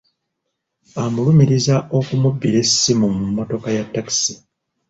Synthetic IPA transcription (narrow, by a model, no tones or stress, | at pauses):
amulumiɾizaʔo̞kumubːiɾe̞simummːo̞to̞kajatːaki̥si